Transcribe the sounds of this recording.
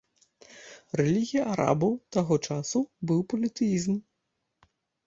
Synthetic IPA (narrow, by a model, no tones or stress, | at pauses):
rɛlʲiɣʲijɐʔaɾa̰bɐwt̪aɣɔt͡ʂasubɨwpɐlʲit̪ɨjizm